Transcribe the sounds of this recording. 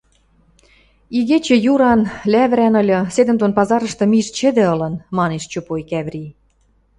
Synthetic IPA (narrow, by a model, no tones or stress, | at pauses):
iɣet͡ɕĕjuɾɑnlæβɾænɤ̆lʲɤ̆sed̪ə̆nt̪onpɑzɑɾə̆ʃt̪ɤ̆miʃt͡ɕɘ̆d̪ĕɤ̆lɤ̆nmɑneʃt͡ɕopojkæβri